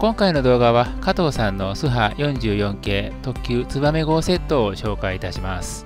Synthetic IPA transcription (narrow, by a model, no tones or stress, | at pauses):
kõ̞ŋkaino̞d̪o̞ːɡaβakat̪o̞ːsãnːo̞sɨɦajõ̞ɲd͡ʑɨːjõ̞ŋke̞ːt̪o̞kʲːɨːt͡sɨβame̞ɡo̞ːse̞t̪ːo̞ːɕo̞ːkait̪aɕimasɨ̥